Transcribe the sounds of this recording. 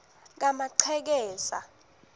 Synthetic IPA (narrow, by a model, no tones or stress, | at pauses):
k̬amaǀʰɛk̬ɛːsa̰